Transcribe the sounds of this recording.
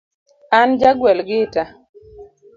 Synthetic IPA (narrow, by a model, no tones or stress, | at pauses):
and͡ʒaɡwɛlɡɪta